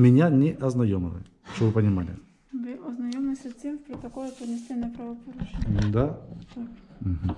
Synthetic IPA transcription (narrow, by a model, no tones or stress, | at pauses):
mʲɪnʲanʲɪʔɐznɐjomʲɪlˠɨ̰ | ʃt̪ovɨpənʲɪmalʲɪ̰ | vɨʔɐznɐjomɨsʲɐt̪ʲemfpɾɐt̪ɐkolˠɪpənʲɪsʲtʲenːɨjpɾɐvɐpɐɾʊt͡ʃɛnʲd̪at̪akm̩ɦm̩